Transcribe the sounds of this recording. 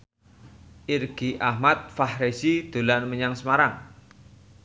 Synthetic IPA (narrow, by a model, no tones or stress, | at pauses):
ʔirɡ̥i̤ʔahmat̪̚fahɾesid̪̥o̤lanməɲaŋsəmaɾaŋ